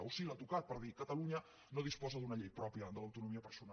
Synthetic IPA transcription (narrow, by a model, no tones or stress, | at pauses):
usilat̪ukat̪̚pəɾðikət̪əluɲə | noðispɔzəðunəʎejpɾɔpjəd̪ələwt̪unumiəpəɾsun